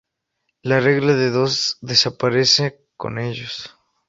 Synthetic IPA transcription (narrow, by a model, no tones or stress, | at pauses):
lare̞ɣlaðe̞ðo̞zðe̞sapaɾe̞se | ko̞̰neʝos